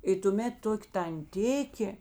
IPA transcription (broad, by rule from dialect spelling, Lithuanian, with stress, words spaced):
ɪ tʊˈmʲeːt ˈtoːkʲ tɐnʲˈtʲɪkʲeː